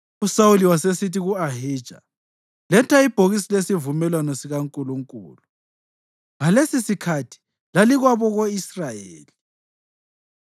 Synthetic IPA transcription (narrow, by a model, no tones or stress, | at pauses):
usauliwasesitiɣuaɦi̥ːʒ̥ʱa̰ | lɛntʰaib̥ʱoɣisilesivumɛlwanɔsiɣaŋkʼuluŋkʼṵːlu | ŋalesisikʰatʰi̥ | laliɣwaβɔɣoisrajḛːli